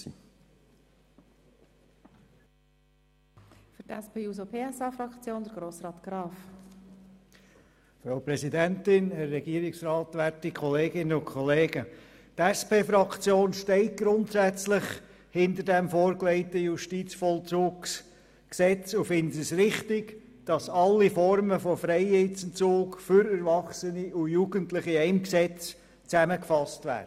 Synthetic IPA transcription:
fʏɾtɛspeːusopʰeːɛsɑːfɾɑkt͡sjoːnd̪əɾɡ̥ɾoːsrɑːt̪ɡ̥ɾɑːf | fɾaʊpɾɛsidɛntɪnɛrːɛɡ̥iːəɾɪksɾɑːtʋæɾtikʰχɔleːɡɪnəʊnkʰχɔleːɡ̥ə | tɛspeːfɾɑkt͡sjoːnʃtɛɪt̚ɡ̥ɾʊntsæt͡slɪχ | hɪndəɾdɛmfoːɾklɛɪtəjuʃtit͡sfɔlt͡suːks | ksɛt͡sʊfɪnsɪsɾɪχtɪɡ | d̥ɑsɑlːifɔɾməfɔfɾɛɪet͡sn̩t͡suːkfʏɾɛɾvɑχsəniʊjuːɡ̥əntlɪχiɛɪmksɛt͡s | t͡sæməkfɑstvæ̰ːə

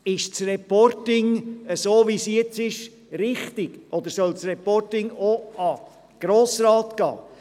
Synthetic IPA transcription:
ɪʃt͡srɛpɔrtɪŋəsoːʋisɛt͡sɪʃ | ɾɪχtɪɡ̥ʔɔd̪əɾsœlt͡srɛpɔrtɪŋoɑ | ɡ̥ɾoːsɾɑːtɡ̥ɑ̰ː

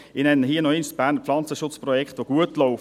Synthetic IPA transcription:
ɪnɛnəɦiənɔɪnsb̥æːɾnəflɑnt͡səʃʊt͡sprɔjɛkχt̪ʋoɡ̥uətlɔʊf

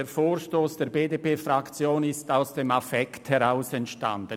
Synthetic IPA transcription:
eːfoːɾʃtoːsd̥eːɾbeːdepeːfʁakt͡sjoːnɪstaʊsd̥eːmafɛkthɛʁaʊsɛntʃta̰ndə

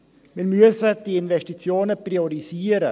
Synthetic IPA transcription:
miːɾmyəsəd̥iɪnvɛsʃtit͡sjoːnəpriɔɾiziːəɾə

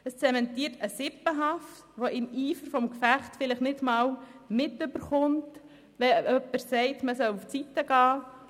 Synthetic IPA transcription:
əst͡sɛmɛntiːɾtəsɪpəɦɑftʋoʔɪmiːfəɾfɔmkfæχtfɪləχnɪdmɑːwmɪtʏb̥əɾχʊnt | ʋɛʔœpəɾsɛɪtməsœluft͡sitːəɡ̥ɑː

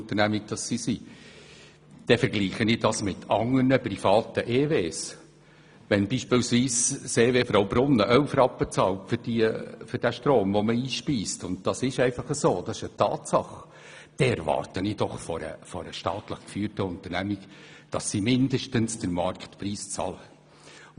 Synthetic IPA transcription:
ʊnt̪ənæmik̚d̥ɑsːisi | d̥ɛfəɾɡliːχənid̥ɑsmɪtʰɑŋːərnəprifɑːtəʔeːveːs | ʋɛnbiːʃpɪːlsviːsseːvefɾowbɾʊnːəʔœlfrɑpːət͡sɑːltfʏɾd̥iəfʏɾd̥æʃtroːmvɔməiːʃpiːstʊndd̥ɑsɪʃɛɪfɑχəsoːd̥ɑsɪʃətʰɑ̰ːtsɑχ | d̥ɛɛɾvɑ̰ːrtənid̥ɔχfɔɾə̰fɔɾəʃtɑːtləχkfyːrtəʊnt̪ərnæmikd̥ɑsːimɪndəʃtənsd̥əɾmɑɾktpriːst͡sɑ̰lə

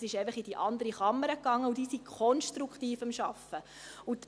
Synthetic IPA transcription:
sɪʃɛɪfəχid̥iʔɑnd̪əɾiχɑmːəɾəkːɑŋːəudiːsikʰɔnʃtɾukχtiːfəmʃɑfə | ut̪

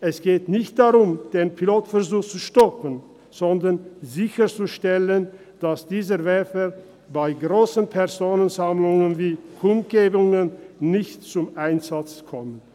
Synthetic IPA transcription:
ʔɛsɡ̥eːtnɪçt̚d̥aʁʊmd̥eːnpʰiloːtfɛɐzuːxt͡suʃtɔpən | z̥ɔndɐnzɪçət͡suʃtɛlən | d̥asd̥iːzəvɛfə | baɪɡʁoːsənpʰɛʁzoːnənzamlʊŋənviːkʰʊmt̚ɡ̥eːbʊŋənːɪçtt͡sʊmʔaɪnzat͡skʰɔmən

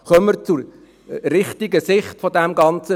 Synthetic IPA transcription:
χœmːəɾt͡suɾ | ɾɪχtiɡəsɪχtfɔdæmɡɑnt͡sə

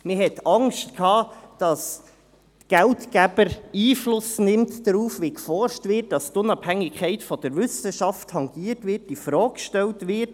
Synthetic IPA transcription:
mɪɦhɛtɑŋʃtkʰhɑːd̥ɑs | tɡ̥æltkæb̥əɾiːflʊsnɪmtd̥əɾuːfʋikfɔrʃtʋɪt̚d̥ɑstʊnɑphæŋːɪkʰɛɪtfɔd̥əɾʋʏsəʃɑfthɑŋɡiːəɾtʋɪt̚difɾɔːkkʃtɛltʋɪt

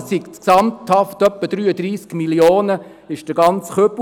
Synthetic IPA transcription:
ikt͡sksɑmthɑftœpːəd̪ɾyːəd̪ɾiːskmiljoːnə | ɪʃd̥əɡɑnt͡sχøp

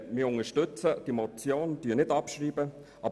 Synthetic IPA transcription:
mɪːʊŋəʃtʏt͡səd̥imɔt͡sjoːndyːnɪtɑpʃriːbə | ʔɑ

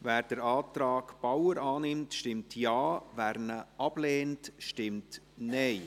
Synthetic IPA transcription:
væːɾd̥əɾɑːtɾɑːɡb̥awəɾɑːnɪmtʃtɪmtʰjɑːvæɾnəʔɑb̥leːntʃtɪmt | nɛɪ

